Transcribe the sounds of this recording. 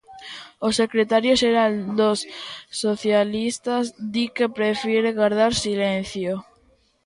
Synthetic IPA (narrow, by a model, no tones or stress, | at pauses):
osekɾet̪aɾjoʃeɾald̪osːoθjalist̪azd̪ikepɾefjeɾeɣaɾð̞aɾsilen̟θjo